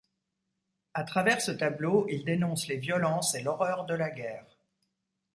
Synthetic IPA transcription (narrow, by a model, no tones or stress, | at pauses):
at̪χavɛʁsət̪abloild̪enɔ̃slevjɔlɑ̃selɔʁœʁd̪əlaɡʲɛːʁ